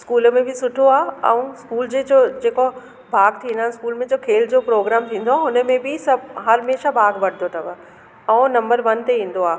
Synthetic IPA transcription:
skuːlmẽbʱɪsʊʈʰoaːɛ̰ũskuːld͡ʑeːd͡ʑod͡ʑeːko | bʱaːɡt̪ʰĩːnd̪aːɪ̃nɪskuːlmẽd͡ʑoːkʰeːld͡ʑoːpɾoːɡɾaːmt̪ʰĩːn̆d̪oaʊnə̆mẽbʱɪsɐbɦɐɾmeːʃabʱaːɡbɐɽ̤d̪ʱot̪ʰɐbə | ɛ̃ːnɐ̃mbəɾʋɐnt̪eĩːn̆d̪oaː

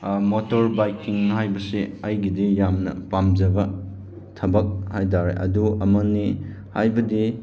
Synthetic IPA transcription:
motoɾbajkiŋɦajbɐsiɐjɡidijamnɐ̰pamd͡ʒɐbɐ | tʰɐbɐk̚hajdaɾḛʔɐ̰duɐmɐni | hajbɐdi

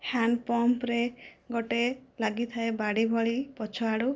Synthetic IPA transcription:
hanɖpɔmpɾeɡoʈelaɡit̪ʰaebaɽibʱɔɭipɔt͡ʃʰɔaɽu

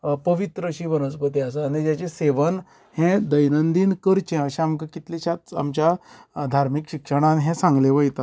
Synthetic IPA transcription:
pəʋit̪ɾəɕiːʋənəsbət̪iasaːɽñid͡ʑjat͡ɕeseʋən | hɛ̃d̪əjnənd̪iːnkəɾt͡ɕẽəɕẽamkəkit̪liɕat̪a̰mt͡ɕjad̪ʱaɾmikɕikʂəɽ̃ãnɦɛ̃sãŋɡleʋəjt̪at̪

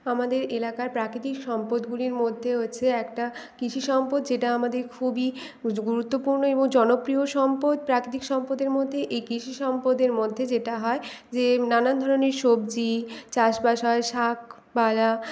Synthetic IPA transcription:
amad̪eɾelakaɾpɾakɾit̪ikʃɔmpod̪ɡuliɾmod̪ʱːeɦot͡ɕʰeɛkʈakɾiʃʰiʃɔmpot̪d͡ʑeʈaamad̪eɾkʰubi | ɡuɾut̪ːopuɾnoeboŋd͡ʑɔnopɾioʃɔmpod̪̚pɾakɾit̪ikʃɔmpod̪eɾmod̪ʱːeʔejkɾiʃʰiʃɔmpod̪eɾmod̪ʱːed͡ʑeʈaɦɔed͡ʑenanand̪ʱɔɾoneɾʃobd͡ʑit͡ɕaʃbaʃaeʃak̚ʰ | bala

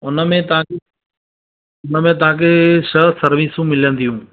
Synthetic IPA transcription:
ʊnəmẽt̪ɐãe | ʊnəmẽt̪̬ɐɦãkʰeʃəsɐɾʋisũmɪlə̃nd̪ijũː

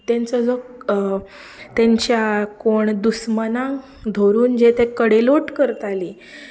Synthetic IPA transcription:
t̪ẽnt͡sɔd͡zɔ | t̪ẽɲt͡ɕjakoɳd̪usmənãŋ | d̪ʱoɾuːnd͡ʑet̪ekəɽeloʈkəɾt̪ali

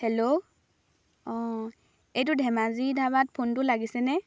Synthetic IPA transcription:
hɛlo | ɔ̃ | ejtʊdʱɛmazidʱaβat̚pʰontʊlaɡisɛnɛ

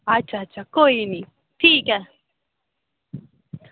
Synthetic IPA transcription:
at͡ʃat͡ʃakojni | tika

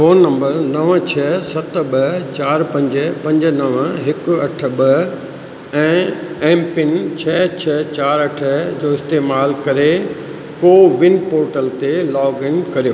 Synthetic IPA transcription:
foːnːɐ̃mbəɾnɐʋt͡ɕʰɐsɐt̪̆ɓɐt͡ɕaːɾpɐ̃ɲd͡ʑəpɐ̃ɲd͡ʑnɐʋɦɪkʊɐʈ̆ʰɓɐ | ɛ̃ːɛ̃ːmpɪnt͡ɕʰɐt͡ɕʰɐt͡ɕaːɾɐʈʰəd͡ʑoːɪst̪eːmaːlkɐɾe | koːʋɪ̃npoːɾʈəlt̪elɔːɡɪnkɐɾijoː

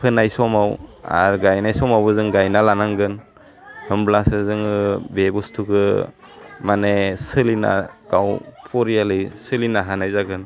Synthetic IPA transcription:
pʰɯnajsɔmawa̰ɾɡajnajsɔmawbɯzɯŋɡajnalanaŋɡɯn | hɯmblasɯzɯŋɯbebustʰukɯ | manesɯlina̰ɡ̥awpʰɔɾijalɯjsɯlinaɦanajzaɡɯn

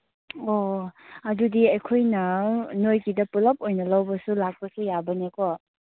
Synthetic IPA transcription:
oɐdudiɐjkʰojnɐnojkidɐpulɐp̚ojnɐlɐwbɐsulak̚pɐsujabɐnekɔ

